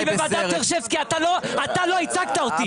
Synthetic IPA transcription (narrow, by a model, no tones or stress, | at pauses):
vevad̪aeʁʃevkiat̪aloat̪aloit͡saɡt̪aot̪i